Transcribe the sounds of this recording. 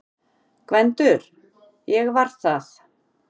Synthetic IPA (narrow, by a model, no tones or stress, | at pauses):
kvɛnt̪ʏɾ̥ | jɛɣvaɾ̥θaθ